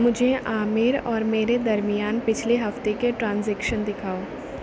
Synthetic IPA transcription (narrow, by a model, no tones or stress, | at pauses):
mʊd͡ʒʱeʔaːmɪɾɔːɾmeːɾed̪ɐɾmijaːnpɪt͡ʃʰleɦɐft̪ekeʈɾãːnzɛːkʃənd̪ɪkʰaːoː